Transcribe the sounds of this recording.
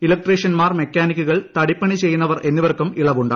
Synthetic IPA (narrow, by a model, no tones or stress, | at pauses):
ilɐk̚ʈreːʂɐnmaːrmekʲːaːnikʲːuɣɐɭt̪ɐɽipːɐɳit͡ɕe̞jːunːɐʋɐrʔe̞nːiʋɐrkːumiɭɐʋuɳɖaː